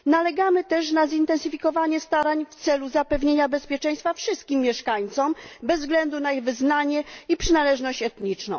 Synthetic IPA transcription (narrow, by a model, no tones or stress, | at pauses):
nalɛɡamɘt̪ɛʂnazint̪ɛnsɘfʲikɔvaɲɛst̪aɾaɲft̪sɛluzapɛvɲeɲabɛspʲjɛt͡ʂɛ̃j̃st̪fafʂɘst̪̚kʲimːjɛʂkaɲt̪sɔmbɛzːvɡlɛnd̪unaiɣvɘznaɲɛipʂɘnalɛʐnɔɕt͡ɕɛt̪ɲit͡ʂnɔ̰̃w̃